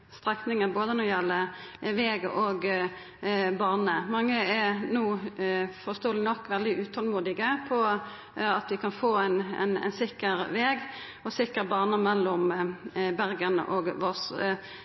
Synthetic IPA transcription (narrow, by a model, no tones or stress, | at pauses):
st̪ʁɛknɪŋəboːd̪ənɔjɛlːəʋeːɡoɡ | bɑːʁnəmɑŋːəɛnuːfɔst̪oːəlɪnɔkːʋɛld̪ɪʉːt̪ʰɔlmuːd̪ɪɡəpʰɔ | ɑt̪ʋɪkʰɑnfoːæn̰næ̰ɪnsɪkːəʁʋeːɡ | ɔsɪkːəʁbɑːʁnəmɛlːɔm | bæʁɡənə̰ʔɔːɡʋɔs